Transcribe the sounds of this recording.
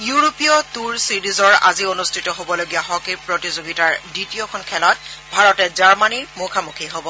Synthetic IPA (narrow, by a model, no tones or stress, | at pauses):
juɹopiɔtuɹsiɹizɔɹa̰zionustʰitɔɦobɔloɡijaɦɔkepɹotizoɡitaɹditiokʰɔnkʰɛlɔt̚bʱaɹɔtɛzaɹmaniɹmokʰamukʰiɦobɔ